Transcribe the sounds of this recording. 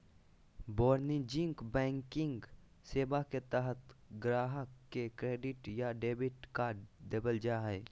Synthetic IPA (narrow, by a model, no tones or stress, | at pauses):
bɔːɾnid͡ʒɪ̃ŋkbɛ̃ːŋkɪ̃ŋɡ | seːbaket̪əɦət̪ɡɾaːɦəkkekɾeːɖɪʈjaɖeːbɪʈkaːd̪ebəld͡ʒaɦɛː